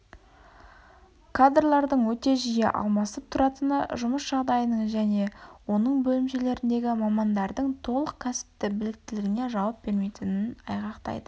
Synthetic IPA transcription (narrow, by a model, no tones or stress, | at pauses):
kʰad̪rlˠɑɾd̪əɴwɵt̪e̞ʒijḛʔɑ̰lˠmɑsəp̚t̪ʰʊɾɑt̪ənɑ̰ʒʊməsʒ̥ɑʁd̪ɑjənəɴʒæne̞wo̞nəɴbɵlɪmʃe̞le̞ɾɪnd̪e̞ɡʲɪmɑmɑnd̪ɑɾd̪əɴt̪ʰo̞lˠəq̚kʲʰæsɪ̥p̚t̪ɪbɪlɪk̚t̪ɪlɪɡʲɪne̞ʒɑwɑp̚b̥e̞ɾme̞jt̪ɪnɪnɑ̰jʁɑqt̪ɑ̰jd̪ə